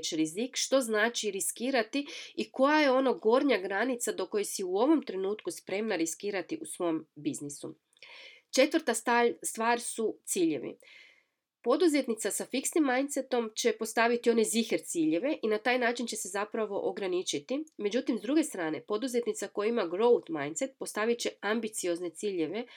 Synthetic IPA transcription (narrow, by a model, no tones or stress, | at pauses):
t͡ʃɾizikʃt̪o̞znaːt͡ʃiɾiskiːɾat̪iiko̞jaje̞o̞noɡo̞ɾɲaɡɾanit̪sad̪o̞ko̞jesiuo̞ʋo̞mt̪ɾe̞nuːt̪kuspɾe̞mnaɾiskiːɾat̪iʔusʋo̞mbiznisṵ | t͡ʃe̞t̪ʋəɾt̪aast̪ʋaːɾsut̪siːʎḛʋḭ | po̞d̪uze̞t̪nit̪sasafiksnimːajnt̪set̪o̞mt͡ɕe̞po̞st̪aʋit̪io̞nezixeɾt̪siːʎe̞ʋe̞ʔinat̪aːjnaːt͡ʃint͡ɕe̞se̞zapɾaʋo̞ʔoɡɾanit͡ʃit̪ime̞d͡ʒut̪imzd̪ɾuɡe̞st̪ɾaːne̞po̞d̪uze̞t̪nit̪sako̞jaimaɡɾo̞wt̪majnt̪set̪̚po̞st̪aʋit͡ɕe̞ambit̪sio̞zne̞t̪siːʎe̞ʋe̞